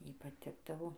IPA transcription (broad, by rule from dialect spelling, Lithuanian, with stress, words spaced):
ˈjɛɪ pɐˈtʲɪɡdɐʋoː